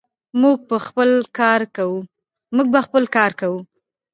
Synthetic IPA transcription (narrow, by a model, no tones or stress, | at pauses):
muɡ̚pəxpəlkɑɾkawu | muɡ̚baxpəlkɑɾkawu